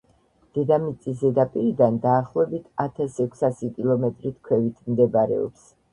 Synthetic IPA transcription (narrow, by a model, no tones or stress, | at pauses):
d̪̥ɛd̪amit̪sʼisɛd̪apʼiɾid̪and̪aːχlˠɔɛbit̪ʰat̪ʰasɛkʷʰsasikʼilˠɔmɛt̪ʼɾit̪ʰkʰwɛvit̪ʰmd̪ɛbaɾɛ̰ɔ̰ps